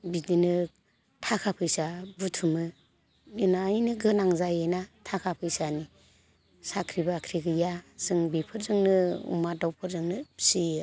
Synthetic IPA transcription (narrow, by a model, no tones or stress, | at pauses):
bidinɯ | tʰakʰapʰɯjsabutʰumɯ | inaːjnɯɡɯnaŋzajenatʰakʰapʰɯjsani | sakʰɾibakʰɾiɡɯjaz̥ɯŋbipʰɯɾzɯŋnɯṵmadawpʰɯɾzɯŋnɯsi